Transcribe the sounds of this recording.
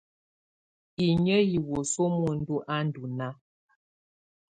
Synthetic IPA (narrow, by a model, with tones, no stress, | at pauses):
i˨ɲə˦ji˨wo˨so˦mu˦˨n̩˦du˦ʔa˦n˦du˨na˦